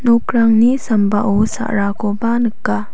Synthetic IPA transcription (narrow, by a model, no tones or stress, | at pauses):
nukɾaŋnisambaʔusa̰ʔɾakɔbanɯkːa